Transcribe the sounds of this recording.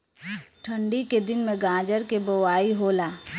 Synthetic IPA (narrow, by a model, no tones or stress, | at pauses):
ʈʰɐ̃ɳɖiked̪ɪnmẽɡãːd͡ʒəɾkebowaːiɦoːlaː